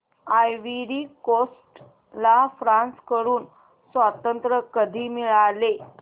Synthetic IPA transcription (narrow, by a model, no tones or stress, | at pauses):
ajʋiɾiːkosʈ | lafɾãnskəɾuːn | sʋat̪ənt̪ɾəkəd̪ʱiːmiɭale